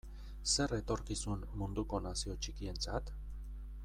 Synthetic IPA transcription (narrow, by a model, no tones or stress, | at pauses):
se̞re̞t̪o̞ɾkisunmund̪uko̞nasio̞t͡ʃikie̞nt͡sat̪